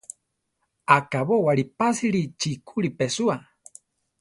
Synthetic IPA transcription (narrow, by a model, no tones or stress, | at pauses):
akaβowaɾipasiɾit͡ʃikʰuɾipesua